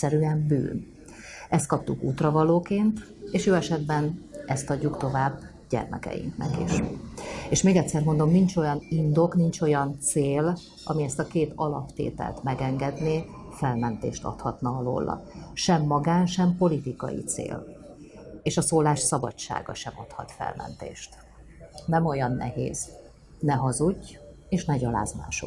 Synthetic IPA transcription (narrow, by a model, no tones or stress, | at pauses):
ɛɾyɛmby̰ːn | ɛst̪̚kɒp̚t̪ukuːt̪rɒvɒloːkeːnt̪ | eːʃjoːɛʃɛd̪bɛnɛst̪ɒɟːukt̪o̞vaːbː | ɟɛ̰rmɛ̰kɛ̰jḭŋknɛ̰kḭʃ | eːʃmeːɡɛt̪sɛrmo̞nd̪o̞mnint͡ʃo̞jɒnind̪o̞knint͡ʃo̞jɒnt̪seːl | ɒmiɛst̪ɒkeːt̪ɒlɒpt̪ḛːt̪ɛ̰lt̪mɛɡɛŋɡɛd̪neː | fɛlmɛnt̪ḛːʃt̪ɒ̰t̪hɒt̪nɒɒlo̰ːlːɒ̰ʃɛmːɒɡaːnʃɛmpo̞lit̪ikɒ̰jḭt̪sḛːl | eːʃɒsoːlaːʃsɒbɒ̰t͡ʃːa̰ːɡɒ̰ʃɛmot̪hɒ̰t̪fɛ̰lmɛ̰nt̪ḛːʃt̪ | nɛmo̞jɒnːɛhḛːz | nɛɦɒzuɟː | eːʃnɛɟɒla̰ːzma̰ːʃo̰k